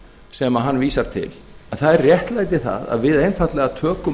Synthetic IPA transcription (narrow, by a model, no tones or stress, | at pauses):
sɛmaɦanːviːsaɾ̥t̪ʰɪ̰l | ɛnθaðɛrrjɛht̪laːjt̪̬ɪθa̰ða̰ðvɪðejnfat̪lɛɣat̪ʰœːkʏ